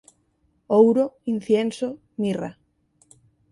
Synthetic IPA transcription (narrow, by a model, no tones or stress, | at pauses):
owɾoin̟θjenso | mira̰